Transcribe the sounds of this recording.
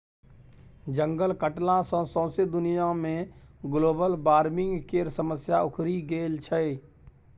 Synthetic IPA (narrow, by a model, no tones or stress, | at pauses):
d͡ʒəŋɡəlkəʈlãsə̃sɔ̃ːsed̪ʊnijamẽɡloːbəlbaːɾmɪ̃ŋɡkeɾsəməsjaʊkʰɾiɡeːlt͡ʃʰə